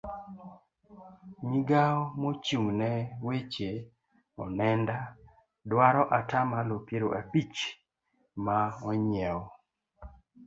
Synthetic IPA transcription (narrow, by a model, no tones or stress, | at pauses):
ɲiɡaɔmot͡ʃuŋnɛwet͡ʃe | ɔnɛnda | dwaɾɔʔatamalopjeɾoʔapit͡ʃ | maɔɲjɛwɔ